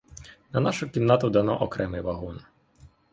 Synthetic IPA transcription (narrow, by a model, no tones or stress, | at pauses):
nɐnaʃʊkʲiwnat̪ʊd̪ɐnɔ̰ʔɔkɾɛmɪjʋɐɦun